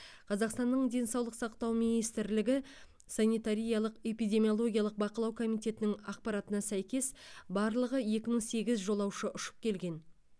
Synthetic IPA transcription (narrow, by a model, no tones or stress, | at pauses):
qʰɑzɑqst̪ɑnːəɴd̪e̞nsɑwlˠəqsɑqt̪ɑwminijst̪ɪɾlɪɡʲɪ | sɑnijt̪aɾʲijɑlˠəqe̞pijd̪ʲe̞mijo̞lˠo̞ɡʲijɑlˠəq̚bɑqəlˠɑwkʰo̞mijt̪ʲe̞t̪ɪnɪŋɑq̚pɑɾɑt̪ənɑsæjkʲe̞sbɑɾlˠəʁəje̞kʲɪməɴse̞ɡʲɪzʒo̞lˠɑwʃəʔʊʃə̥p̚kʲʰe̞lɡʲe̞n